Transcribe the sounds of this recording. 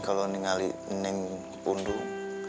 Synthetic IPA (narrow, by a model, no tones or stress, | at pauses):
kaloniŋalinɪŋ | pundu